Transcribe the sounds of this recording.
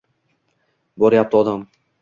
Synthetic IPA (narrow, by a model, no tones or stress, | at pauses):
bɒɾɪjap̚t̪ɪɒd̪am